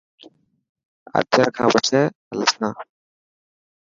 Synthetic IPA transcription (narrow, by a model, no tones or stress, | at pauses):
ə̰t̪jəɾkʰãːbəʈ͡ʂʰɛː | ələsnãː